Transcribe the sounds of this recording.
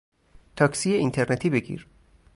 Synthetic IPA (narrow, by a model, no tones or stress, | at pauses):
t̪ʰɒːksijeint̪ʰeɾnet̪ʰiːbe̞ɟḭːɾ